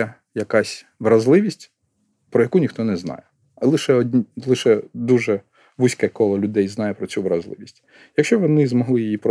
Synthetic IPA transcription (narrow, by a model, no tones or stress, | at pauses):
ɛ | jɐkɑsʲ | ʋɾɐzlˠɪʋʲisʲtʲ | pɾɔjɐkunʲixt̪ɔnɛznɑ̰jɛ | lˠɪʃɛɔdʲlˠɪʃɛd̪uʒɛ | ʋusʲkɛkɔlˠɐlʲʊd̪ɛjznɑjɛpɾɔt͡sʲuʋɾɐzlˠɪ̰ʋʲisʲtʲ | jɐkʃt͡ʃɔʋɔnɪzmɔɦlˠɪjijipɾɔ